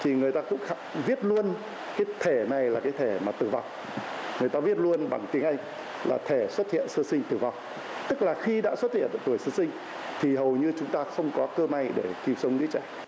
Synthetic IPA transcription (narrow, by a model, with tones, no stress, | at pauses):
t̪ʰi˨˩ŋɨ˨˩əjt̪aː˧kʊ̰˧˥ŋ͡mxvi˦˥ət̚lu˧ən | kaː˨˦jt̪ʰe˧˩na˨˩jlaː˨˩kaː˨˦jt̪ʰe˧˩maː˨˩t̪ɨ˨˩va̰˨˩wŋ͡m | ŋɨ˨˩jt̪aː˧vi˦˥ət̚lu˧ənɓa˧˩ŋt̪i˨˦əŋʔə˧jŋ | la̰ː˨˩t̪ʰe˧˩swə˦˥t̚hḭ˧˨ənsəː˧sï˧ŋ̟t̪ɨ˨˩va˨˩wŋ͡m | t̪ɨ˦˥k̚laː˨˩xi˧ɗa̰ː˧˥swə˦˥t̚hḭ˧˨əna̰ː˧˨t̪u˧˩əjsəː˧sï˧ŋ̟ | t̪ʰi˨˩ɦə˨˩wɲɨ˧t͡ɕʊ˨˦ŋ͡mt̪aː˧xə˧wŋ͡mkɔ˨˦kəː˧ma˧jɗe˧˩ki˨˩wsə˨˦ŋ͡mzɨ̰˧˥t͡ɕɛː˧˩